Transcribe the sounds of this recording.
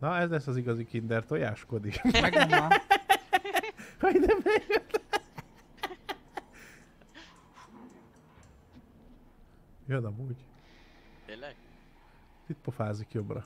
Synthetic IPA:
nɒɛzlɛsːɒziɡɒzikind̪ɛrt̪o̞jaːʃko̞d̪ikɛ | hɒid̪ɛbɛɡjøt̪ | jonɒmuːɟ | t̪it̪pofaːzikjo̞brɒ̰

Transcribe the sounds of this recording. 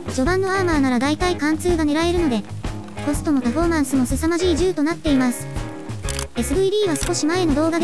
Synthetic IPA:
d͡ʑo̞bãnːo̞amaːnaɾad̪ait̪aikãnt͡sɨːɡane̞ɾae̞ɾɯ̟no̞d̪e̞ | ko̞sɨ̥t̪o̞mo̞paɸo̞mãɰ̃sɨmo̞sɨsamaʑiːʑɨːt̪o̞nat̪ːe̞imasɨ̥ | e̞sɨbɯ̟id̪ʲiːβasɨ̥ko̞ɕimae̞no̞d̪o̞ːɡad̪

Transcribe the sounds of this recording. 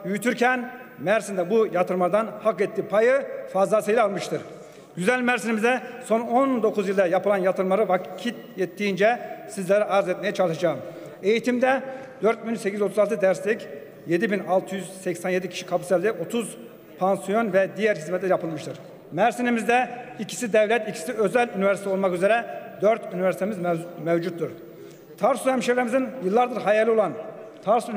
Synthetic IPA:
jyjyt̪ʰyɾcʰɛnmæɾsind̪ɛbujat̪ʰɯɾmaɾd̪anhakɛt̪ːiːpʰajɯfazˠasajlʲalˠmɯʃt̪ʰɯɾ | ɟyzælʲmæɾsinimizd̪ɛso̞nond̪o̞kʰuzjilˠd̪ɛjapɯlˠanjat̪ʰɯɾmaɾɯvacʰit̪̚jɛt̪ːiːnd͡ʒɛsizlʲɛɾiʔaɾzɛt̪̚mejɛt͡ʃʰalˠɯʃad͡ʒaːɯm | e̞jit̪ʰimd̪ɛ | d̪ø̞ɾt̪̚binsecʰiyo̞t̪ʰuzalˠt̪ʰɯd̪æɾst̪ɛc | jed̪ibinɑlˠt̪ʰɯjyz̥sɛcsænje̞d̪icʰi̥ʃi̥kʰapusɛlʲd̪ɛʔo̞t̪ʰuz | pʰansijo̞nvɛd̪ijæɾɦizmɛt̪lʲɛɾjɑpʰɯlˠmɯʃt̪ʰɯɾ̥ | mɛɾsinimizd̪ɛicʰi̥sid̪ɛvlʲɛt̪icʰi̥siøzælʲynivɛɾsit̪ʰɛo̞lˠmakyzeɾɛd̪øɾt̪ʰynivɛɾsit̪emizmɛvd͡ʒut̪ːuɾ | t̪ʰaɾsyɛmʃevɾemizinjɯlˠːaɾd̪ɯɾɦɑjalʲio̞lˠant̪ʰaɾsyn

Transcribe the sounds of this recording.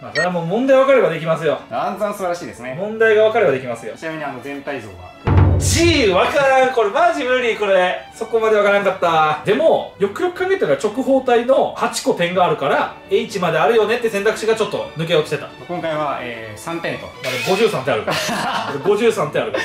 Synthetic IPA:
masoɾeamoːmõ̞nd̪aiβakaɾe̞bad̪e̞k̬ʲimas̬ɨjo̞ãnzãsɨbaɾaɕiːd̪esɨnemõ̞nd̪aiɡaβ̞akaɾe̞bad̪e̞kʲimasɨjo̞̰t͡ɕinamiɲ̟ianozẽ̞nt̪aizo̰ːɡa̰d͡ʑiβakaɾãŋko̞ɾemad͡ʑibɯ̟̃ɲ̟ːiko̞ɾe̞so̞ko̞mad̪e̞βakaɾãŋkat̪ːad̪e̞mo̞jo̞kɯ̟jo̞kɯ̟kãŋɡe̞t̪ːanat͡ɕo̞kɯ̟ɦo̞ːt̪aino̞hat͡ɕi̥ko̞t̪ẽ̞ŋɡaːɾɯ̟kaɾa | eit͡ɕimad̪e̞aɾɯ̟jo̞ne̞t̪ːe̞sẽ̞nt̪akɯ̟̥ɕiɡat͡ɕo̞t̪ːo̞̰nɯ̟k̬eokʲi̥t̪e̞t̪ḁ̰ | kõŋkaiβaḛsãnt̪ẽ̞nt̪o̰ad̪oɡo̞ʑɨːsãnt̪e̞aɾɯ̟od̪oɡo̞ʑɨːsãnt̪eaɾɯ̟

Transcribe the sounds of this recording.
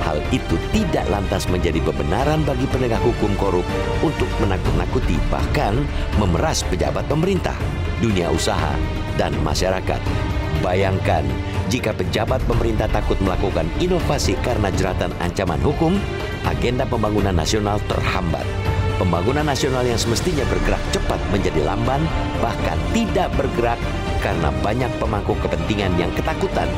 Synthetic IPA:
ha̰lit̪ut̪ida̰ʔla̰nt̪asməɲd͡ʒadipəbənaɾanbaɡipənəɡahɦukʊmkoɾʊp̚unt̪ʊk̚mənakʊt̪nakut̪iba̰hkanməməɾaspəd͡ʒa̰bat̪̚pəməɾint̪a̰h | dunia̰ʔusaɦa̰ | danma̰ʃaɾaka̰t̪̚bajaŋkan | d͡ʒikapəd͡ʒabat̪̚pəməɾint̪aht̪akʊt̪̚məlakukaninofasikaɾənad͡ʒəɾat̪ana̰ɲt͡ʃama̰nɦukʊm | ʔa̰ɡendapəmbaŋunanːa̰sionalt̪ə̰rhamba̰t̪̚pəmbaŋunanːasionaljaŋsəməst̪iɲabərɡəɾa̰k̚t͡ʃəpat̪̚məɲd͡ʒadila̰mban | bahka̰nt̪idaʔbərɡəɾakː | aɾəna̰baɲak̚pəmakukəpənt̪iŋanjaŋkət̪akut̪a̰n

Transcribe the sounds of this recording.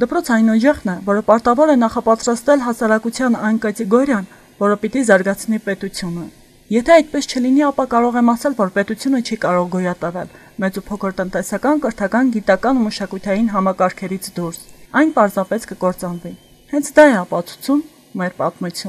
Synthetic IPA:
d̪əpɾɔt͡sʰɑinɔd͡ʒɛχnɛvɔɾəpɑɾt̪ɑvɔɾɛnɑχɑpɑt̪ɾɑst̪ɛlɦɑsɑɾɑkut͡sʰjɑnɑjnkət͡siɡɔɾjɑn | vɔɾəpit̪izɑɾɡɑt͡sʰnipɛt̪ut͡sʰjunə | jɛt̪ʰɛɑjt̪̚pɛst͡ʃʰəliniɑpɑkɑɾɔʁɛmɑsɛlvɔɾpɛt̪ut͡sʰjunət͡ʃʰikɑɾɔʁɡɔjɑt̪əvɛl | mɛt͡supʰɔkʰəɾt̪ənt̪ɛsɑkɑnkəɾt̪ʰɑkɑnɡit̪ɑkɑnuməʃɑkujt̪ʰɑjinɦɑmɑkɑɾkʰɛɾit͡sʰd̪uɾsɑjnpɑɾzɑpɛskəkɔɾt͡sɑnvi | hɛnt͡sʰd̪ɑɛɑpɑt͡sʰu̥t͡sʰumː | ɛɾpɑt̪mut͡sʰju

